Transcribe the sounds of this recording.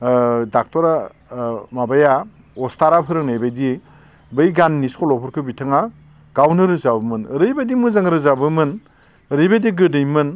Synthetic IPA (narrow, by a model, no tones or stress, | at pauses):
dak̚tɔɾa | mabaja | ɔstaɾapʰɯɾɯŋnajbajdi | bɯjɡanːiskʰɔlɔpʰɔɾkʰɯbitʰɯŋa | ɡ̥awnɯɾɯzabɯmɯnɾɯjbajdimɯzaŋɾɯzabɯmɯn | ɾɯjbajdiɡɯdɯjmɯn